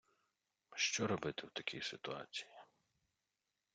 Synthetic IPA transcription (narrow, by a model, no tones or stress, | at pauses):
ʃt͡ʃɔɾɔbɪt̪ɪwt̪ɐkʲijsɪt̪ʊa̰t͡sʲi̥ji